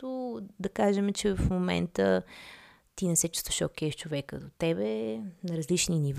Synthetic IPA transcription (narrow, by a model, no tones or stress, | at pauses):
t̪ʊd̪ɐkaʒɛmɛt͡ʃɛvɐfmomɛ̰nt̪ə | t̪inɛsɛt͡ʃu̥st̪o̥ʃɛkɛft͡ʃovɛkə̰d̪ot̪ɛbɛnɐɾɐzlit͡ʃniniv